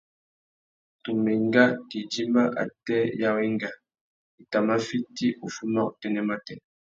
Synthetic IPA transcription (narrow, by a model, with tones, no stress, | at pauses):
tu˨me˨ŋɡa˦ki˨d͡ʒi˦mba˦ʔa̰˨tɛ˦ja˦wi˦ŋɡa˨ | i˨ta˨ma˦fi˦ti˦ʔu˨fu˦ma˦ṵ˨tɛ˦˨nɛ˦ma˦tɛ˨n